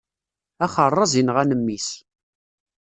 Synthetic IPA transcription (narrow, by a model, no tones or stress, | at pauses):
æχərˤːɑzinʁænəmːis